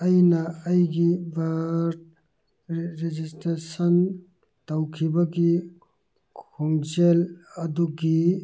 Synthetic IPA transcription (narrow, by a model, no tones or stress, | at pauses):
ɐjnɐːjɡibaɾ | ɾed͡ʒistɾesɐn | tawkʰibɐɡi | kʰoŋd͡ʒelɐduɡi